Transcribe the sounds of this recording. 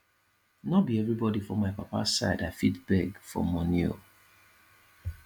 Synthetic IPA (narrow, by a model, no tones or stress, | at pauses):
nɔbiɛvɹibɔdifɔ̃maɪpapa̰sa̰ɪdafitbɛɡfɔ̰mɔ̃njo̰